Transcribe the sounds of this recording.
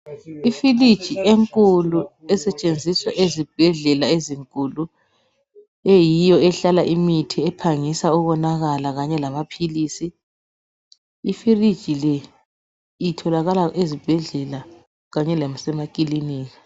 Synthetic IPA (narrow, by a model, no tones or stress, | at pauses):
ifilid̥ʒ̥ʱiʔeŋkʼuluɛsɛt͡ʃʼend͡zʱiswaʔezib̥ʱɛɮɛlaeziŋkʼulu | ejijɔɛɬalaʔimitʰiɛpʰaŋisauβɔnaɣalaɣaɲɛlaβapʰilisi | ifirid̥ʒ̥ʱilɛ | itʰɔlaɣalaʔezib̥ʱɛɮɛla | ɣaɲɛlamsɛmakʼiliniːɣa